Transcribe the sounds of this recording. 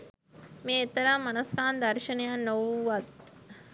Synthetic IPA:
meːet̪ːɐɾaːmɐnɐskaːnd̪ɐɾʃɐnɐjaːnːowʋɐt̪

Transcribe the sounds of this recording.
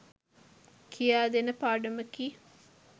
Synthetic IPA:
kʰijaːd̪enəpaːɖuməkiː

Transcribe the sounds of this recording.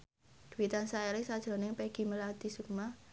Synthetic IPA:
d̪̥ṳwit̪ansaelɪsad̥ʒ̥ɾɔ̤nɪŋpɛɡ̥i̤məlad̪̥isuk̚ma

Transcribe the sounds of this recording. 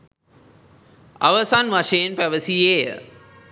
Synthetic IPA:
ɐ̰ʋəsanʋaʃejnpæʋəsieːjə̰

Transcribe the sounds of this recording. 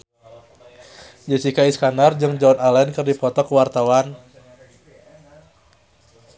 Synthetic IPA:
d͡ʒəsikaiskanard͡ʒɨŋd͡ʒɔnalɛnkɨrdipɔt̪ɔkəwart̪awan

